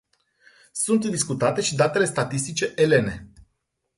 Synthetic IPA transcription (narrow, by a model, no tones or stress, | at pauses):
sunt̪d̪iskut̪at̪e̞ʃid̪at̪e̞le̞st̪at̪ist̪it͡ʃe̞ʔele̞ne̞